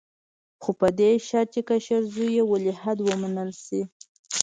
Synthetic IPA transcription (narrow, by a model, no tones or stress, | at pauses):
xopəd̪eʃɑt͡ʃekaʃaɾzujewəlɪhad̪wəmanəlsi